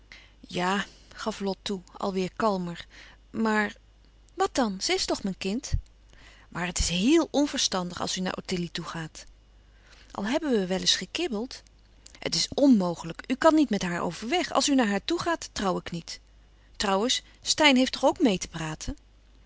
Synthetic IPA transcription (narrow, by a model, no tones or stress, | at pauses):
jaː | χɑflɔtːuɑ̰lˠʋɪːɹkɑlˠməɹ | maːɹ | ʋɑt̚dɑnz̥əɪstɔχmɛnkɪnt | mʔaːɹɦətɪ̥sɦɪːlˠɔnvəɹstɑndəχɑ̰lˠsyna̰ːɹʔo̰tɪlituχaːt | ʔɑ̰lˠɦɛbənʋəʋɛlɪsχəkɪbəlˠt | hə̰tɪsɔnmowχələkykɑnːitmɛtɦaːɹo̰wvəɹʋɛχɑ̰lˠsynaːɹɦaːɹtuχaːtːrɑwɪknit | trɑwənsː | tɛjnɦejftnɔχowkmejtə̥praːtʰən